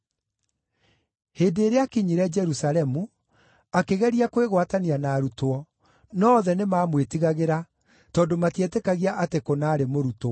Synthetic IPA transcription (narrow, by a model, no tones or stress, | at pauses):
heːndeːɾeakiɲiɾɛd͡ʒɛɾusalɛmu | akeɣɛɾiakweɣwatanianaːɾutwɔ | nɔːðɛnemaːmwetiɣaɣeɾa | tɔːdomatɛtɛkaɣiaʔatekonaːɾemoɾuto